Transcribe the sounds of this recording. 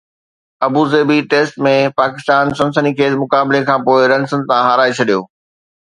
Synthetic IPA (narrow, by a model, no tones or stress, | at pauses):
ɐbuzeːbiʈeːsʈmẽpaːkɪst̪aːnsɐ̃nsənikʰeːsmʊkaːblekʰãːpoːɪɾɐ̃nsə̃nt̪ãɦaɾaːet͡ɕʰɐɗijo̰ː